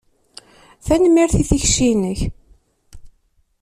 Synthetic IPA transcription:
θænmːiɾθiθiçʃinəç

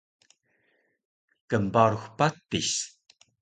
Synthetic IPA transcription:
kəmbaɾuxpat̪ːiɕ

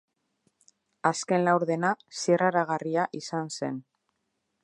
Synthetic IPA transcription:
aske̞nlawɾðe̞nasieraɾaɣariaʔisanse̞̰n

